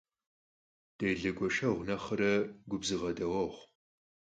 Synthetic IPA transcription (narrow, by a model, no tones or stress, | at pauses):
d̥ejɮɐɡʷɔʃɐʁʷnɐχɐɾɐɡʷʊbzɨʁɐdɐwɐʁʷ